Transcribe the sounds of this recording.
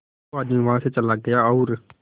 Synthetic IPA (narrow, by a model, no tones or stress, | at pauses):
aːd̪mĩʋɐɦãset͡ʃɐlaɡɐjaɔːɾ